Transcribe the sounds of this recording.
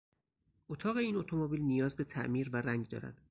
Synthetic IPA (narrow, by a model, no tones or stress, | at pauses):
ʔot̪ʰɒːɣe̞iːnot̪ʰomobiːlnijɒːzbe̞t̪ʰæ̰ʔmiːɾvæɾæŋɡd̪ɒ̰ːɾæ̰d̪̥